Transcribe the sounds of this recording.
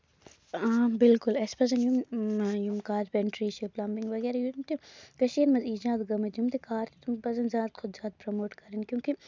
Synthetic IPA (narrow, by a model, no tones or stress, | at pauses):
aːbɪlkʊlɛspɐzɐnjumjumkaːɾpɛɳʈɾiːʃiplambiŋɡʋɐɣɛːɾajumt̪ekɐʃiːɾmɐziːd͡ʒãːd̪ɡɐmɐt̪jumt̪ekaːɾt̪et̪umpɐzɐnzʲaːt̪xʰʊd̪zaːt̪̚pɾɐmoːʈkɐɾɐnkjũːki